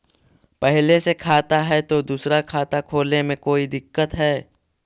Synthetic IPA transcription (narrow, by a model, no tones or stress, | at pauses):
pɛɦlesekʰaːt̪aɦɛt̪od̪uːsɾakʰaːt̪akʰoːlemẽkoːid̪ɪkːət̪ɦɛː